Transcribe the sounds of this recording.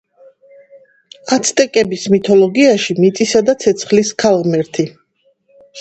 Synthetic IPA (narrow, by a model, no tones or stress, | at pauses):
at̪sʰt̪ʼɛkʼɛbismit̪ʰɔlɔɡiaʃimit̪sʼisad̪at̪sʰɛt̪sʰχliskʰalˠʁmɛɾt̪ʰi